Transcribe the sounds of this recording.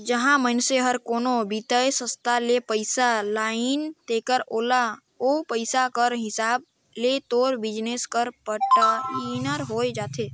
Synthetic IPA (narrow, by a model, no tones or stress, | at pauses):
d͡ʒəɦãmənseɦəɾkoːnobit̪əjsə̃st̪ʰalepəɪsalaːint̪ekəɾoːla | opəɪsakəɾɦɪsaːb̚ | let̪oːɾbɪd͡ʒneskəɾpəʈəlinəɾɦoːed͡ʒaːt̪ʰe